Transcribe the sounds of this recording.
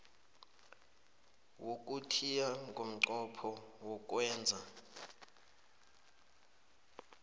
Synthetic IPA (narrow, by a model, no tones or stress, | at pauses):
wok̬ʼutʰijaŋɡʱom̩ǀɔpʰɔwɔk̬ʼwɛːnd͡zʱa